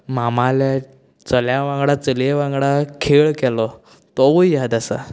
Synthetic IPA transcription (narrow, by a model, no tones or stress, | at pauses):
mamala | t͡səljaʋãŋɡɽat͡səleʋãŋɡɽakʰeɭkɛlɔ | t̪ɔʋujjad̪asa̰